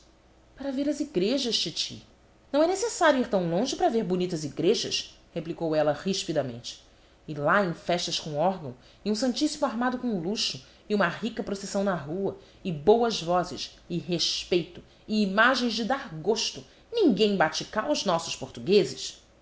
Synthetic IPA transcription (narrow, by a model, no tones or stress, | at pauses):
paɾɐveɾɐziɡɾeʒɐʃt͡ʃit͡ʃḭ | nɐ̃w̃ɛnesesaɾjuiɾt̪ɐ̃w̃lõʒɪpɾɐveɾbunit̪ɐziɡɾeʒɐ̰ʃ | heplikowɛlɐhiʃpid̪ɐmḛ̃nt͡ʃɪ̥ | ɪlaẽj̃fɛʃt̪ɐskõɔɾɡɐ̃w̃ | ɪũsɐ̃nt͡ʃisimʊaɾmad̪ʊkõluʃʊ | ɪũmɐɦikɐpɾosesɐ̃w̃nɐɦuɐ | ɪbowɐzvɔzɪ̰ʃ | ɪɦeʃpejt̪ʊ | ɪːmaʒẽj̃zd͡ʒɪd̪aɾɡoʃt̪ʊ | nĩŋɡẽj̃bat͡ʃikaɾʊznɔsʊʃpoɾt̪uɡezɪʃ